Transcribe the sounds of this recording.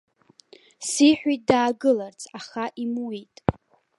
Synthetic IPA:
siħʷᶣit̚ʼdaːɡɨlart͡sʰaχaʔimwitʼ

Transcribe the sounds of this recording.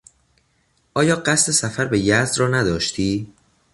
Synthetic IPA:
ʔɒːjɒːɢæst̪ʰe̞sæfæɾbejæzd̪rɒːnæd̪ɒːʃt̪ʰiː

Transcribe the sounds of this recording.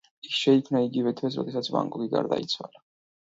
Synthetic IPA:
isʃɛikʰmnaiɡivɛt̪ʰwɛs̬ɾɔ̰d̪ɛsat̪sʰba̰ŋkʼuɡiɡa̰ɾd̪ait̪sʰwa̰la

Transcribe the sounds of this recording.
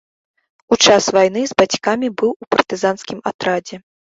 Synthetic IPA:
ut͡ʂasvajn̪ɨzbat͡sʲkamʲibɨwupɐrt̪ɨzanskʲimat̪ɾad͡zʲɛ

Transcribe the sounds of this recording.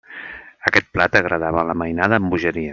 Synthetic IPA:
əkɛt̪̚plat̪əɣɾəð̞aβələməjnaðəːmbuʒəɾiə

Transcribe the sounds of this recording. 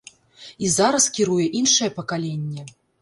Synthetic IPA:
izaɾɐskʲiɾujɛʔinʂɐjɛpɐkalʲenʲːɛ

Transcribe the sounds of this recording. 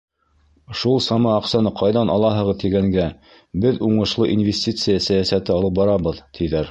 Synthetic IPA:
ʃulˠsɑmɑːqsɑnɤqʰɑjðɑnɑlˠɑɦɤ̆ʁɤðt̪iɡæŋɡæ | bɘðuɴɤ̆ʃlˠɤʔinvʲesʲtʲit̪sɨjasæjæsæt̪ɘɑlˠɤp̚bɑɾɑβɤðt̪ʰiðæɾ

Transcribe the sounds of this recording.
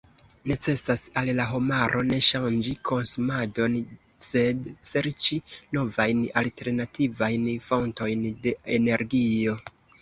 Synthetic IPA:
ne̞t͡se̞sasallaɦomaɾʔo̞ne̞ʃand͡ʒikʰo̞nsumado̞n | se̞dse̞ɾt͡ʃino̞vajnalte̞ɾnativajnfo̞nto̞jnde̞ene̞ɾɡio̞

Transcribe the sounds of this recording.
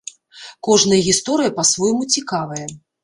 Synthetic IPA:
kɔʐnɐjɐɣʲist̪ɔɾɨjɐpɐsvɔjmut͡sʲikavɐjɛ

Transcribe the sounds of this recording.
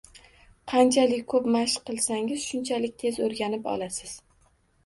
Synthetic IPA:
qʰɑnt͡ʃʰalɪkʲkʰɵpmaʃqɨlˠsaŋɪz̥ʃʊnt͡ʃʰalɪkʲt̪ʰe̞zoɾɡʲanɪpɒ̰lˠasɪz̥

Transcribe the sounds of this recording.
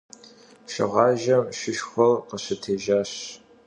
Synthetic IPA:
ʃɪ̰ʁɑːʒɐmʃɪʃxʷɔlqəɕɪtʰeːʒaːɕ

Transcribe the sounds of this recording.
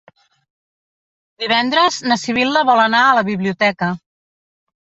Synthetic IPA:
d̪iβ̞ɛnd̪ɾəznəsiβ̞ilˠd̪əβɔlˠənaələβiβliut̪ɛkə

